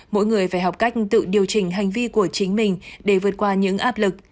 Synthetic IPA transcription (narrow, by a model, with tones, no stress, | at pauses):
mo̰˧˥jŋɨ˨˩əjvaː˧˩jɦa˨˩wk͡p̚ka˦˥jk̟̚t̪ɨ̰˧˨ɗi˨˩əwt͡ɕï˨˩ŋ̟ɦa˨˩jŋ̟vi˧ku˧˩ət͡ɕï˨˦ŋ̟mï˨˩ŋ̟ɗe˧˩vɨ˨˩ət̚kwaː˧ɲɨ̰˧˥ŋʔaː˦˥p̚lɨ˨˩k̚